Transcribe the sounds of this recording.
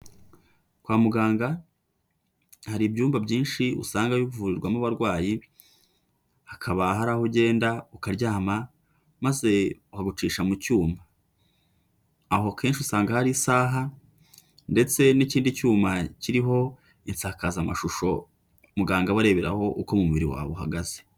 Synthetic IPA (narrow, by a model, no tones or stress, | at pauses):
kwaːmuɡaːŋɡa | haɾibɟuːmbabɟiːnʃiṵsaːŋɡajivuɾiɾɡwamuβaɾɡwaːji | hakʰaβaɦaɾahuɟe̞ːndaukaɾɟaːma | maze̞uhaɡut͡ʃiːʃamucuːmba | ɦo̞ke̞ːnʃiusaːŋɡahaɾisaːɦa | nde̞t͡se̞niciːndicuːmaciɾiɦo̞ | int͡saːkazama̰ʃuʃo̞ | muɡaːŋɡaβaɾe̞βeɾa̰ho̞ʔuko̞mumuβiɾḭwa̰ːβoɦa̰ɡaze̥